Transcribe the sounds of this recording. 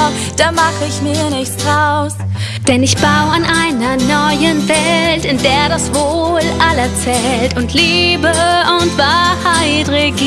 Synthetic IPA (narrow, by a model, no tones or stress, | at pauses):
d̥aːmaχəɪçmiːɐnɪçt͡sd̥ʁaʊs | d̥ɛnɪçb̥aʊanʔaɪnɐnɔʏənvɛlltɪndeːɐɾasv̥oːlʔalət͡sɛltʊntʰliːbəʔʊntb̥ahaɪdʁik